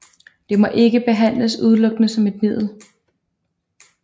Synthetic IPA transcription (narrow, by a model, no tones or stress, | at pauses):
d̥e̝mɒ̽ʔe̝ɡ̥əb̥e̝ɦæn̰ləsuð̞ˠlɔ̽ɡ̥ənəsɒ̽me̝d̥mið̰ˠl̩